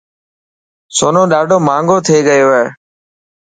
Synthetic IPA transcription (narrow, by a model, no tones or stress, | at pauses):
soːnõːɗaːɖʱoːmãːŋɡoːt̪ʰeːɠəjoːeː